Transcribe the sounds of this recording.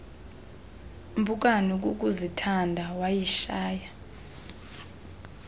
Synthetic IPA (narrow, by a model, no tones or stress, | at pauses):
mbʱuk̬ʼanuk̬ʼuk̬ʼuzitʰandʱawajiʃaːja